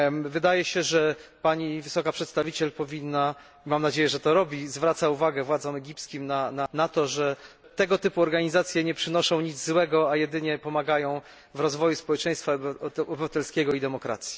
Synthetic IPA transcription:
vɘd̪ajɛɕɛʐɛpaɲivɘsɔkapʂɛt̪st̪avʲit͡ɕɛlpɔvʲinːa | imamnad͡ʑejɛʐɛt̪ɔɾɔbʲizvɾat̪sauvaɡɛvwad̪zɔmɛɡʲipskʲimnananat̪ɔʐɛ | t̪ɛɡɔt̪ɘpuɔɾɡaɲizat̪sʲjɛɲɛpʂɘnɔʂɔ̃w̃ɲid̪zzwɛɡɔajɛd̪ɘɲɛpɔmaɡajɔ̃w̃ | vɾɔzvɔjuspɔwɛt͡ʂɛ̃j̃st̪faɔbɘvat̪ɛlskʲɛɡɔid̪ɛmɔkɾa̰t̪sʲji̥

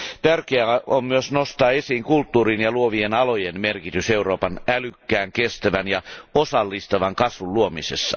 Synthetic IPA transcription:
t̪ærkeæommyøsnost̪ɑːesiːŋkult̪ːuːrinjɑluoʋienɑlojenmerkit̪yseuroːpɑnælykːæːŋkest̪æʋænjɑosɑlːist̪ɑʋɑŋkɑsʋulluomisesːɑ

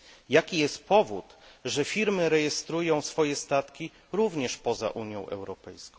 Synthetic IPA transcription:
jakʲijɛst̪̚pɔvut̪ʐɛfʲiɾmɘɾɛjɛst̪ɾujɔ̃w̃sfɔjɛst̪at̪kʲi | ɾuvɲɛʂpɔza̰ʔuɲjɔ̰̃w̃ʔɛ̰wɾɔpɛjskɔ̃ww̃

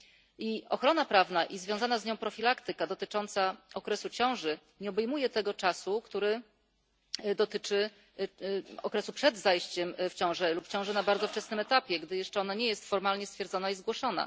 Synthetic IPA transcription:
iɔxɾɔnapɾavnaʔizvʲjɔ̃w̃zanazɲɔ̃w̃pɾɔfʲilakt̪ɘkad̪ɔt̪ɘt͡ʂɔnt̪saɔkɾɛsut͡ɕɔ̃w̃ʐɘ | ɲɛɔbɛjmujɛt̪ɛɡɔt͡ʂasukt̪uɾɘ | d̪ɔt̪ɘt͡ʂɘ | ɔkɾɛsupʂɛd̪zajɕt͡ɕɛmft͡ɕɔ̃w̃ʐɛlupːt͡ɕɔ̃w̃ʐɛnabaɾd̪zɔft͡ʂɛsnɘmɛt̪apʲjɛɡd̪ɘjɛʂt͡ʂɛɔnaɲɛjɛst̪fɔɾmalɲɛst̪fʲjɛɾd̪zɔnaizɡwɔʂɔn̪a̰

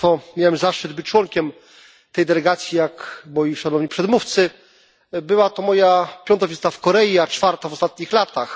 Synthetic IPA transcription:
fɔmʲjawɛmzaʂtɘd̪̚bɘt͡ɕt͡ʂwɔŋkʲɛm | t̪ɛjd̪ɛlɛɡat̪sʲjijakmɔjiʂanɔvɲipʂɛd̪muft̪sɘ | bɘwat̪ɔmɔjapʲjɔnt̪ɔvʲizt̪afkɔɾɛjiat͡ʂfaɾt̪avɔst̪at̪̚ɲixlat̪ax

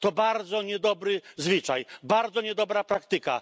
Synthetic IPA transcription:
t̪ɔbaɾd̪zɔɲɛd̪ɔbɾɘzvʲɘt͡ʂajbaɾd̪zɔɲɛd̪ɔbɾapɾakt̪ɘka̰

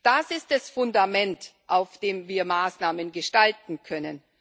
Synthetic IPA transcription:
d̥asɪstd̥asfʊndamɛntʔaʊfd̥eːmviːɐmaːsnaːmənɡəʃtaltn̩kʰœnən

